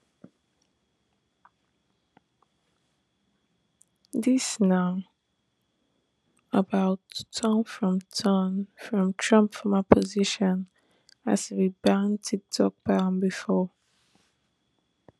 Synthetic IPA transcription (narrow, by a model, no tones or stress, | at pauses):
ðisnaʊ | əbaʊtʰənfɹɔ̃mtʰənfɹɔ̃mtʰɹʌ̃mpfɔmapʰəziʃɔ̃n | asʰbibãʊ̃ntʰik̚tʰɔk̚b̥aə̃mbifɔ